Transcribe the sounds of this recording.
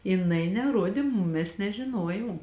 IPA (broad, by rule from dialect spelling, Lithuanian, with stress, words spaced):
jɪˈnɐɪ nʲɛˈruɔdʲeː ˈmʊm ˈmʲɛs nʲɛʒʲɪˈnoːjoːm